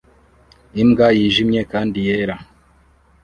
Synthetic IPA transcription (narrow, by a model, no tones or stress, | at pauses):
imɡajiʒimɲe̞kaːndijeɾa